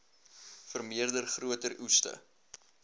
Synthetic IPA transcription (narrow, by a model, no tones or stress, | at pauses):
fərmiərdərχruətərustə̰